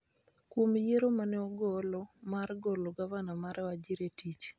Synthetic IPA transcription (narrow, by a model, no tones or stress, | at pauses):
kwomjeɾomanɛɔɡɔlɔmarɡɔloɡavanamaɾwad͡ʒiɾetit͡ʃ